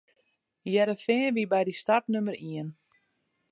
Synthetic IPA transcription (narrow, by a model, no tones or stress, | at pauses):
jɛɾəfɪŋəʋibɛjdistartnøməɾiən